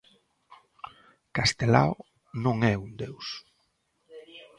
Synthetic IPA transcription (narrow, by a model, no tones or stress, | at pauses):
kast̪ela̰o | nõŋɛund̪ews